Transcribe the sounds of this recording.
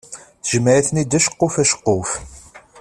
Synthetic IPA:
θəʒməʕiθnid̪æʃə̥qːofæʃə̥qːof

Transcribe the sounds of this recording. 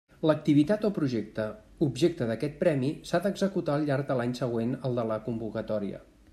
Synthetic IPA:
lək̚t̪iβit̪at̪opɾuʒek̚t̪ə | ubʒek̚t̪əðəkɛt̪̚pɾɛmisaðəɡzəkut̪aəlˠʎːaɾɡ̚d̪əlaɲsəɣ̞wenəlˠd̪ələkumbukət̪ɔɾiə̰

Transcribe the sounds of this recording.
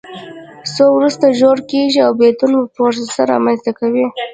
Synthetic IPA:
sowɾust̪aʒoɾkeʒiawbed̪unbəpoɾsasaɾɑ̰manzt̪akawi

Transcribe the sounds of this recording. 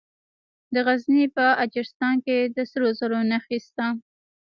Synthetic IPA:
d̪əɣaznipəad͡ʒɪɾɪst̪ɑnked̪əsəɾozaɾonaxist̪a

